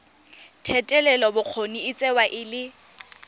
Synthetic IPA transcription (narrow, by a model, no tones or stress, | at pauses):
tʰɛtʼɛlɛlɔbʊq͡χʰoniɪt͡sʼɛwaʔɪlɪ